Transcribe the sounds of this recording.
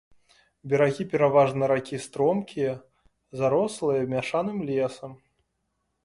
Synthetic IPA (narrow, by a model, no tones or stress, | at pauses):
bʲɛɾaɣʲipʲɛɾavaʐnɨɾakʲist̪ɾɔmkʲijɐ | zaɾɔslˠɨjɐmʲaʂanɨmlʲɛsɐm